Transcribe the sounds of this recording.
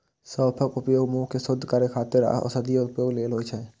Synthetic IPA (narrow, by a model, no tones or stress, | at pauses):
səːpʰəkʊpjoːɡmuːɦkesʊd̪ʱːkəɾekʰaːt̪ɪɾ̰ɔ̰səd̪ijəʊpjoːɡleːlɦoːt͡ʃʰɛː